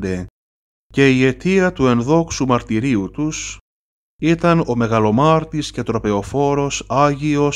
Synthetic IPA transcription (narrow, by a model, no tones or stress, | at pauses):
d̪e | ce̞ie̞t̪iɐt̪ue̞nðo̞ksumɐɾt̪iɾiut̪us | it̪ɐno̞me̞ɣɐlo̞mɐɾt̪isce̞t̪ɾo̞pe̞o̞fo̞ɾo̞sɐʝio̞